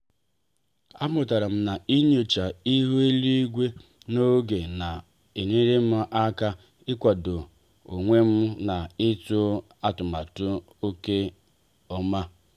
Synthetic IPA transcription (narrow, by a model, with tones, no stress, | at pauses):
a˦mʊ˨ta˨ɾa˨m̩˦na˨i˦ɲo˨t͡ʃa˨i˦ɦu˦e˦li˦i˦ɡʷe˦ | no˦ɡe˨na˨ | e˨ne˦ɾe˦m̩˦ʔa˦ka˦ | ɪ˦kʷa˨do˨ | o˨ŋʷe˦m̩˦na˨ɪ˦tʊ˦ | a˦tʊ˨ma˨tʊ˦ | o˦ke˦ | ɔ˦ma˦